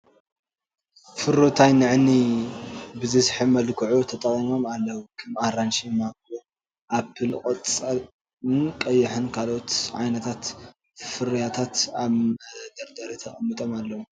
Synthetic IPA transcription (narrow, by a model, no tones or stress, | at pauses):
fɨɾot̪ʰajnɨʕni | bɨzɨsħɨmɐlkʰɨʕut̪ʰɐt̪ʼɐkʼimo̞malːɐwukʰɐmaɾanʃimakʼu | ʔapʰːɨlkʼɐt͡st͡sʼɐ | ɨnkʼɐjːɪħɨnkʰalo̞t̪ʕa̰jnɐt̪ʰat̪ | fɨɾjat̪ʰat̪aβd̪ɐɾd̪ɐɾit̪ʰɐχʼɐmːɨt̪ʼomalːɐwu